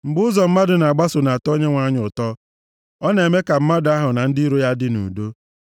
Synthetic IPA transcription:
ŋ͡m̩˨ɡ͡bʊ˦ʊ˦zɔ˨m̩˦ma˦dʊ˨na˨ɡ͡ba˦sʊ˨na˨a˨tɔ˦ɲe˦ŋʷa˦ɲʊ˨tɔ˦ | ɔ˦ne˨me˦ka˨m̩˦ma˦da˦ɦʊ˨na˨n̩˦dɪ˦ɾo˦ja˦dɪ˦nṵ˨do˦

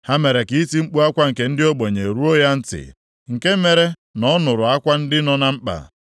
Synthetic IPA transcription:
ha˦me˨ɾe˨ki˦ti˦ŋ͡m̩˦k͡pu˦a˦kʷa˦ŋ̩˨ke˨n̩˦dɪ˦o˦ɡ͡bo˨ɲe˨ɾu˦o˦ja˦n̩˦tɪ̰˨ | ŋ̩˨ke˦me˨ɾe˦ | nɔ˦nʊ˨ɾʊ˨a˦kʷa˦n̩˦dɪ˦nɔ˦na˦ŋ͡m̩˦k͡pa̰˨

